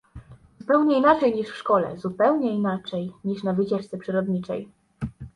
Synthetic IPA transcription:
z̥upɛwɲɛinat͡ʂɛjɲiʂfʂkɔlɛ̰zupɛwɲɛinat͡ʂɛjɲiʂnavɘt͡ɕɛʂt̪sɛpʂɘɾɔd̪ɲit͡ʂɛ̰j

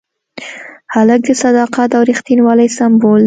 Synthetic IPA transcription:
halək̚d̪əsad̪ɑqat̪awɾixt̪inwɑlajsambol

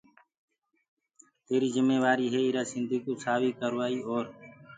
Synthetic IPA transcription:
t̪eːɾiːzɪmeːʋaːɾiːɦeːiːɾaːsɪnd̪ʱiːkuːsaːʋiːkəɾʋaːiːoːɾ

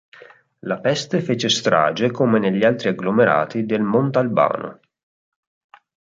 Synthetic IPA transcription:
lapɛst̪efeːt͡ʃest̪ɾa̰ːd͡ʒekomeneʎːialt̪ɾiaɡlomeɾa̰ːt̪id̪elmont̪alba̰ːno̰

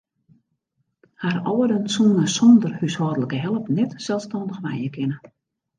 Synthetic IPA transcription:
harɔwədənsunəsɔndərhyshɔːdələkəɦɛlˠəpnɛtsɛlˠstɔndəxʋɛjəkʰɪnə

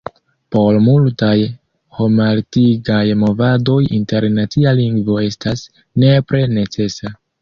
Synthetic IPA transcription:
po̞ɾmultaj | ho̞maltiɡajmo̞vado̞jḭnte̞ɾnat͡sialiŋɡvo̞e̞stas | ne̞pɾe̞ne̞t͡se̞sa

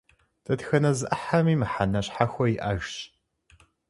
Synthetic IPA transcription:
tʰʼɐtxɐnɐzɨʔɐħamiːmɨħanɐɕħaxʷɔjiʔa̰ʒɕ

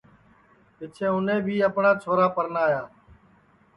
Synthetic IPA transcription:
ɪt͡ʃʰẽːʊnẽːbʱiːəpɳaːt͡ʃʰoːɾaːpəɾnaːjaː

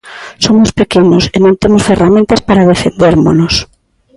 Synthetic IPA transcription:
somospekenosenõnt̪emosferamẽnt̪aspaɾaðefḛnd̪eɾmonos

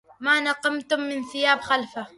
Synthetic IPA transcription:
manɑqɑmt̪ʊmːɪnθɪjaːbxalfa

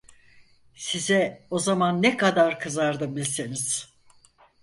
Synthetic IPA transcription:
sizɛo̞zamanːɛkad̪aɾkʰɯzaɾd̪ɯbilʲseniz̥

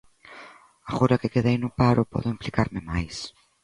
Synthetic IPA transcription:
axuɾakekeðɐinupaɾopo̰ðoemplikaɾmemajs

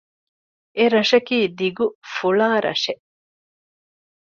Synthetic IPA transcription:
ʔeɾɐʃɐkiːd̪iɡufuɭaːɾʔɐ̰ʂe

